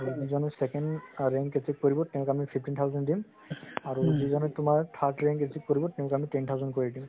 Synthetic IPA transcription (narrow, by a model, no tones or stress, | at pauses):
aɹuzizɔnɛsɛkɛndɹɛŋketik̚koɹibɔtɛʊ̃kɛamipʰipʰtintʰawzɛndim | aɹuzizɔnɛtʊmaɹt̪ʰaɹtɹɛŋkesik̚koɹibɔtɛʊ̃kɛamitɛnt̪ʰawzɔnkoɹidim